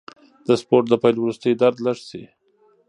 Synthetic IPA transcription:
d̪əspoɾʈ̚d̪əpajlwɾust̪əjd̪aɾd̪laʂsi

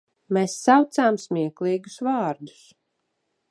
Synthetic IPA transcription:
mɛsːawt̪saːmsmʲiɛklˠiːɡu̥svɑːɾd̪u̥s

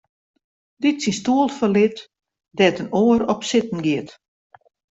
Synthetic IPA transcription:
ditsinstuəlˠtfɔlɪt | dɛtənoəɾɔpsɪtn̩ɡɪət

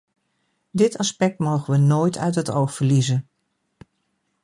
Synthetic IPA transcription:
dɪtɑspɛk̚tmowχənʋənoːjtʰœ̰ɥtɦətowχfəɹlizən

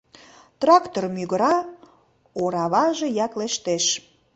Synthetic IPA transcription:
t̪rɑkt̪ormyɣəɾɑ | oɾɑβɑʒejɑkleʃt̪eʃ

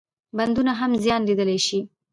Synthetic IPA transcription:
band̪unaɦamzjɑnlid̪əlajʃi

